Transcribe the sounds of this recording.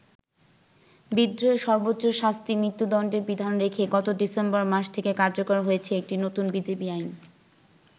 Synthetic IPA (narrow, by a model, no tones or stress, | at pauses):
bid̪ːɾoeʃɔɾbotːɕoʃast̪imɾit̪ːud̪ɔnɳɖeɾbid̪ʱaonɾekʰeɡɔt̪oɖisembɔɾmaʃt̪ʰekekaɾd͡ʑokoɾɦojet͡ɕʰeek̚ʈinot̪unbid͡ʑebiajn